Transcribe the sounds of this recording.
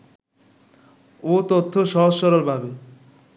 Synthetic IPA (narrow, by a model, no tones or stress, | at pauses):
ot̪ot̪ʰːoʃɔɦosʃɔɾoɾbʱabe